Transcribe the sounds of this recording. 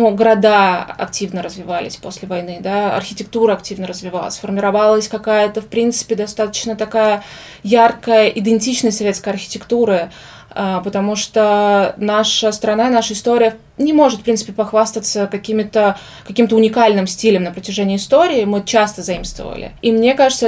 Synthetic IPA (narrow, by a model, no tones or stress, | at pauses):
nuɡəɾɐd̪aɐ̰k̚tʲivnəɾəzvʲɪvalʲɪ̰sʲposʲlʲɪvɐjnɨd̪aɐ̰rxʲɪtʲɪk̚t̪uɾəɐktʲivnəɾəzvʲɪva̰lˠə̰sʲfərmʲɪɾɐvalˠəsʲkɐkajət̪əfpɾʲint̪sɨ̥pʲɪd̪ɐst̪at̪ə̥t͡ɕnət̪ɐkajə | jarkəjəʔɪd̪ʲɪnʲtʲit͡ɕnəsʲsɐvʲetskəjɐrxʲɪ̥tʲɪkt̪uɾə | apət̪ɐmuʂt̪onaʂəst̪ɾɐnanaʂəɪst̪o̞ɾʲɪjə | nʲɪmo̞ʐɨt̪fpɾʲinsɨ̥pʲɪpɐxvast̪ət̪səkɐkʲimʲɪt̪ə | kɐkʲimt̪əʊnʲɪkalʲnɨmsʲtʲilʲəmnəpɾətʲɪʐɛnʲɪɪːst̪o̞ɾʲɪːmɨt͡ɕast̪əzɐimst̪və̰və̰lʲɪ̰imnʲe̞kaʐɨt̪sə